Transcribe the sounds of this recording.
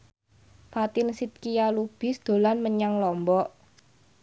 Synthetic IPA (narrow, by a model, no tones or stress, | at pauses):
fat̪ɪnsit̪̚kijalub̥ɪ̤sd̪̥o̤lanməɲaŋlɔmbɔʔ